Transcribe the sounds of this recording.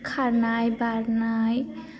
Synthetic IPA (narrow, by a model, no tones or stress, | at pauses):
kʰaɾnajbaɾnaj